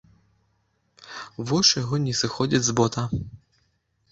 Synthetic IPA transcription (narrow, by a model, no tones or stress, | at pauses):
vɔʂjɐɣɔnʲɛsɨxɔd͡zʲid͡zʲzbɔt̪ɐ